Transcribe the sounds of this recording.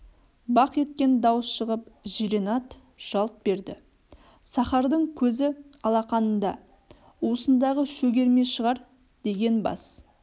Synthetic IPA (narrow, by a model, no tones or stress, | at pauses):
bɑqe̞t̪kʲe̞nd̪ɑwəsʃəʁəpʒiɾenɑt̪ | ʒ̥ɑlˠt̪̚be̞ɾd̪ɪ | sɑχɑɾd̪əɴkʲʰɵzɪɑlˠɑqɑnənd̪ɑ | usənd̪ɑʁəʃɵɡʲe̞ɾme̞ʃəʁɑɾ | d̪̥e̞ɡʲe̞nbɑ̰s